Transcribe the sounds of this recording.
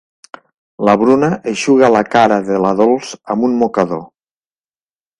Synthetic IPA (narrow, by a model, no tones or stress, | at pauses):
laβɾunaʔeʃuɣalakaɾaðelaðolˠz̥amunmokaðo